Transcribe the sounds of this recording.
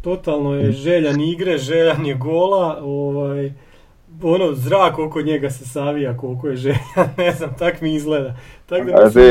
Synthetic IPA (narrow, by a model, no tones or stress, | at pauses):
t̪o̞t̪alˠno̞jeʒeːʎaniɡɾeʒeːʎanjeɡo̞lˠaoʋaːj | o̞no̞zɾaːko̞ko̞ɲeɡase̞saʋijako̞lˠko̞jeʒeʎanneznamt̪akmiizɡleːd̪at̪akd̪aze